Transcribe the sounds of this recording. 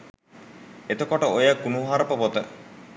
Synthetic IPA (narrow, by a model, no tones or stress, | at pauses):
et̪əkoʈəojəɡunuɦaɾəpəpot̪ə